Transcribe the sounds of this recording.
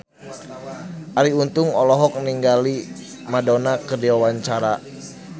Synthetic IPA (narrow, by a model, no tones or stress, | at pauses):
ʔaɾiunt̪ʊŋɔlɔɦɔk̚niŋɡali | madonakədiwawaɲt͡ʃaɾa